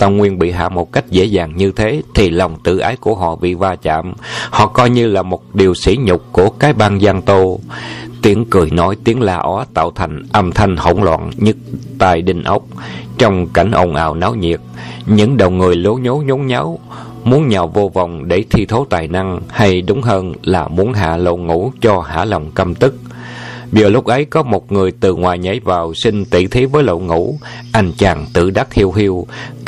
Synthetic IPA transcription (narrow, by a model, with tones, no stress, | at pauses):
t̪a˧˩wŋwi˧ənɓḭ˧˨ɦa̰ː˧˨mo˨˩t̚ka˦˥jk̟̚zḛ˧˥zaː˨˩ŋɲɨ˧t̪ʰe˨˦t̪ʰi˨˩lɔ˨˩wŋ͡mt̪ɨ̰˧˨ʔaː˨˦jku˧˩əɦɔ̰˧˨vḭ˧˨vaː˧t͡ɕa̰ː˧˨mhɔ̰˧˨kɔ˧jɲɨ˧laː˨˩mo˨˩t̚ɗi˨˩əwsḭ˧˥ɲʊ˨˩k͡p̚ku˧˩əkaː˨˦jɓaː˧ŋzaː˧ŋt̪o˧t̪i˨˦əŋkɨ˨˩əjnɔ˨˦jt̪i˨˦əŋlaː˨˩ʔɔ˨˦t̪a̰ː˧˨wt̪ʰa˨˩jŋ̟ʔa˧mt̪ʰa˧jŋ̟ho̰˧˩wŋ͡mlwa̰ː˧˨nɲɨ˦˥k̚t̪a̰ː˧˨jɗï˨˩ŋ̟ʔa˦˥wk͡p̚t͡ɕɔ˧wŋ͡mka˧˩jŋ̟ʔo˧wŋ͡mʔa̰ː˧˨˩wnaː˨˦wɲḭ˨˩ət̚ɲɨ̰˧˥ŋɗə˨˩wŋɨ˨˩əjlo˨˦ɲo˨˦ɲo˨˦nɲa˨˦w | mu˨˦ənɲa˨˩wvo˧vɔ˨˩wŋ͡mɗe˧˩t̪ʰi˧t̪ʰo˨˦t̪aː˨˩jna˧ŋha˧jɗʊ˨˦ŋ͡mɦəː˧nlaː˨˩mu˨˦ənɦa̰ː˧˩lo̰˧˨ŋṵ˧˥t͡ɕɔ˧ha̰ː˧˥lə˨˩wŋ͡mkə˧mt̪ɨ˦˥k̚zəː˨˩lʊ˦˥k͡p̚ʔə˨˦jkɔ˨˦mo˨˩t̚ŋɨ˨˩əjt̪ɨ˨˩ŋwaː˨˩jɲə̰˧˥˦jvaː˨˩wsi˧ŋ̟t̪ḭ˧˩t̪ʰi˨˦vəː˨˦jlo̰˧˨ŋṵ˧˥ʔa˧nt͡ɕaː˨˩ŋt̪ɨ̰˧˩ɗa˦˥k̚hi˧əwhi˧əw